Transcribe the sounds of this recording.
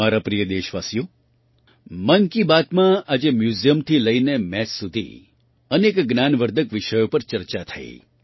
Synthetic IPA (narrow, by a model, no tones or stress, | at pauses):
aɾapɾijəd̪eʃʋasijo | mənkibat̪mãad͡ʒemjuzijəmt̪ʰiləinemɛsːud̪ʱḭ | ənekɡnanʋəɾd̪ʱəkʋɪʃəjopəɾt͡ʃəɾt͡ʃat̪ʰə̰ḭ